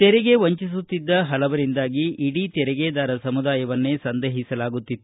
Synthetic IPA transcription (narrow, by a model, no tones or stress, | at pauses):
t̪ɛɾɛɡe̞ʋɐɲt͡ʃis̬ut̪ːid̪ːɐɦɐlɐʋɐɾind̪aːɡiʔːɽit̪ɛɾɛɡeːd̪aːɾɐsɐmud̪aːjɐʋɐnːesɐnd̪ɐɦisɐlaːɡut̪ːit̪ːu